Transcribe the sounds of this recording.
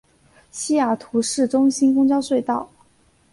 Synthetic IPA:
ɕi˥ja˨˩t̪ʰu˧˥ʂɻ̩˥˩ʈ͡ʂʊ˥ŋɕi˥nkʊ˥ŋt͡ɕjɑ˥ʊswe˥˧ɪt̪ɑ˥˩ʊ

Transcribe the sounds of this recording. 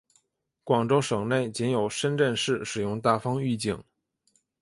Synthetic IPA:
kwɑ˨˩ŋʈ͡ʂo˥ʊʂɤ˨˩ŋne˥˩ɪt͡ɕɛ˧˥njo˨˩ʊʂə˥nʈ͡ʂə˥˧nʂɻ̩˥˩ʂɻ̩˨˩jʊ˥˧ŋt̪a˥˩fɑ˥ŋy˥˧t͡ɕi˥˩ŋ

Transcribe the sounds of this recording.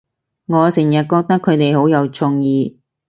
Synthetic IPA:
ŋɔː˨˧sɪ˨˩jɐ˨t̚kɔː˧k̚t̪ɐ˥kʰːɵ˨˧ɥt̪e˨jho˨˥wjɐ˨˧wt͡sʰʊ˧ŋjiː˨˧

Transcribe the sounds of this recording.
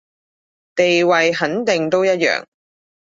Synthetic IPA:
t̪e˨jwɐ˨jɦɐ˨˥nt̪ɪ˨ŋt̪o˥wjɐ˥t̚jœ̰ː˨ŋ

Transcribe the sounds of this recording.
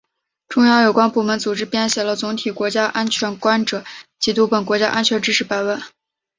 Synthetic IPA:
ʈ͡ʂʊ˥ŋjɑ˥˩jo˨˩ʊkwa˥npu˥˩mə˧˥nt͡su˨˩ʈ͡ʂɻ̩˥pjɛ˥nɕjɛ˨˩lə˦t͡sʊ˧˥ŋt̪ʰi˨˩kwɔ˧˥t͡ɕja˥ʔa˥nt͡ɕʰɥɛ˧˥nkwa˥nʈ͡ʂɤ˨˩˦t͡ɕi˧˥t̪u˧˥pə˨˩nkwɔ˧˥t͡ɕja̰˥ʔa˥nt͡ɕʰɥɛ˧˥nʈ͡ʂɻ̩˥ʂʰɻ̩˧˥pa˧˩ɪwə˥˩˦

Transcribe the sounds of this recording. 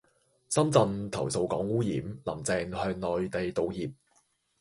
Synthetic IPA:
sɐ˥mt͡sɐ˨˧nt̪ʰɐ˨˩wso˨˧wkɔː˨˥ŋwuː˥jiː˨˥mlɐ˨˩mt͡sɛː˨˧ŋhœː˧ŋlɔː˨jt̪e˨jt̪o˨˧wjiː˨p̚

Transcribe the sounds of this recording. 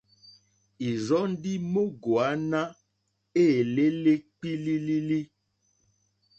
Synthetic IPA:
i˨zɔ˨˦n̩˦di˦mo˦ɡo˨a˨˦na˦ | e˦˨le˦le˦k͡pi˦li˦li˦li˦

